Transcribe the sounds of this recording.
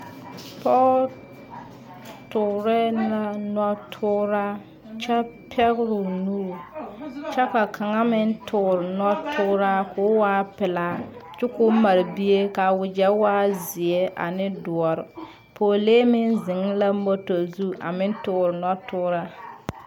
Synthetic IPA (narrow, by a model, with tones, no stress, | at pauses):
pɔ˦ | tʊ˨ɾɪ˦na˦nɔ˦tʰʊ˦ɾa˦ | t͡ʃɛ˦pʰɛ˦ɣɾʊ˨nu˦ɾu˨ | t͡ʃɛ˦ka˨kʰa˨ŋa˦mɪ˦n˦tʰʊ˨ɾɪ˨nɔ˦tʰʊ˦ɾa˦kʰʊː˦waː˦pɪ˨la˦t͡ʃʊ˦kʊ˦ma˨ɾɪ˨bi˦e˦ka˨wʊ˨d͡ʒɛ˦waː˦zɪ˨ɛ˦ʔa̰˨nɪ˦dʊ˨ɔ˨ɾɪ˨ | poː˨leː˦mɪ˦nzɪ˨ŋ˦la˦m̩˦bo˦to˨zu˦ʔa̰˨mɪ˦n˦tʊ˨ɾɪ˨nɔ˦tʊ˦ɾa˦